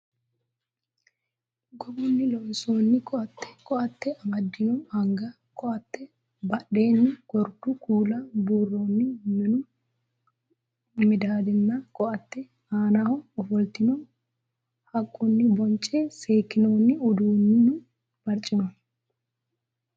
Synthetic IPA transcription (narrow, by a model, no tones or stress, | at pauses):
ɡɔbʊnːɪlɔʔsoːnːɪkʰʼɔɐt̪ːɛ̥kʼɔʔɐt̪ːɛʔɐbɐd̪ːɪjɔhɐŋɡɐ | kʰʼɔʔɐt̪ːɛ | bɐɗeːnːɪɡ̥ɔɾd̪ʊkʰuːlɐbuːrːoːnːɪmɪnʊ | mɪd̪aːd̪ɪnːɐkʼɔʔɐt̪ːɛ | aːnahɔɔfɔlt̪ɪnɔ | hɐkʼːʊnːɪbɔnt͡ʃʼːeseːkːɪnoːnːɪʊd̪uːnːɪnʊ | bɐɾt͡ʃʼːɪnɔ